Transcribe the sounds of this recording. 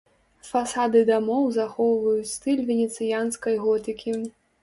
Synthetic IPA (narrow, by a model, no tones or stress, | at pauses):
fasad̪ɨd̪amɔwzaxɔwvɐjut͡sʲst̪ɨlʲvʲɛnʲɛt̪sɨjanskɐjɣɔt̪ɨkʲi